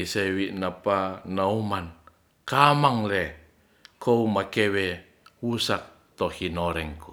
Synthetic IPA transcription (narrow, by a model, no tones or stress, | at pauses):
isewiʔnapanauman | kamaŋlɛ | kʰoumakɛwɛ | wusak̚ | t̪ɔhinɔɾɛŋku